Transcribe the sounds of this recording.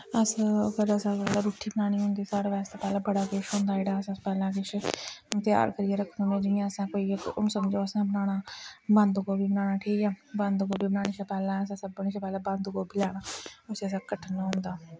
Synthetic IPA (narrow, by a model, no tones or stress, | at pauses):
əskəɾasãpɛːlaːɾuːʈʰːiːbənaːɽ̃iːɦõːnd̪iːsaːɾaʋɛːst̪aːpɛːlãːbəɽaːkɪʃɦõːnd̪aːɪɽaːəsãːpɛːlãːkɪʃt̪ɪja̰ːɾkəɾijeːɾəkʰːənoːmẽːd͡ʒɪãəsãːkoːĩːsəmd͡ʒoːəsãːbənaːɽaːband̪ɡoːbiːbənaːnaːʈʰiːkɛːbənd̪ɡoːbiːbənaːɽ̃iːʃapɛːlãːəs̬ãːsəbəniːʃãːpɛːlãːbə̃nd̪ɡoːbilɛːɽ̃aːʊseːəs̬ãːkəʈʰənːaːɦʊ̃ːnd̪aː